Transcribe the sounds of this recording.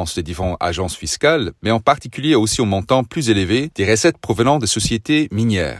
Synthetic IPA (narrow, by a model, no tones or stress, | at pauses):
ɑ̃sded̪ivɔ̃a̰ʒɑ̃sfiskalmɛɑ̃paʁt̪ikʲyljeosiomɔ̃t̪ɑ̃plyzelved̪̥eʁəsɛt̪̚pχɔvənɑ̃d̪esɔsjet̪eminjɛ̰ːʁ